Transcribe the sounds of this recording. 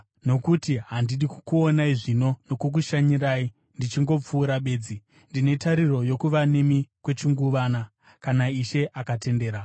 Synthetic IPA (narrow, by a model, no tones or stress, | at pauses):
no̞kutiɦandiɗikukuonaiʐino̞no̞kuk̬uʃaɲiɾaːi | ndit͡ʃiŋɡo̞p͡fuːɾaɓe̞ːd͡zi | ndine̞taɾiro̞jo̞kuʋane̞mikwe̞t͡ʃiŋɡuʋana | kanaiʃe̞ʔakate̞nde̞ːɾa